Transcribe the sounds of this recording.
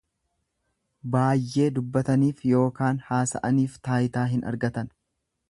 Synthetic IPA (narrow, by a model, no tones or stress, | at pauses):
baːjʔːe̞ːd̪ʊbːɐt̪ɐniːfjo̞ːkaːnhaːsɐ̰ʔɐniːft̪aːjt̪aːɦɪnʔɐ̰ɾɡɐt̪ɐn